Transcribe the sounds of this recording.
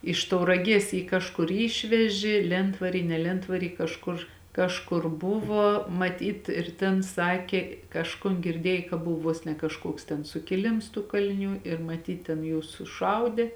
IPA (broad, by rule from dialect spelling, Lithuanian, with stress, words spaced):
ɪʃ tɐʊrɐˈɡʲiɛs ˈjiː kɐʃˈkʊr ˈiːʃʲʋʲɛʒʲɪ ˈlʲɛntʋɐrʲiː nʲɛ ˈlʲɛntʋɐrʲiː kɐʃˈkʊr ˈkɑːʃˌkʊr ˈbʊʋoː mɐˈtʲiːt ɪr ˈtʲeːn ˈsɑːkʲeː ˈkɑːʃkʊn ɡʲɪrʲˈdʲiɛj kɐ ˈbʊw ˈʋuɔs nʲɛ kɐʃˈkuɔks tʲɛn sʊkʲɪˈlʲɪms tuː kɐlʲɪˈnʲuː ɪr mɐˈtʲiːt tʲɛn ˈjuːs sʊˈʃɐʊdʲeː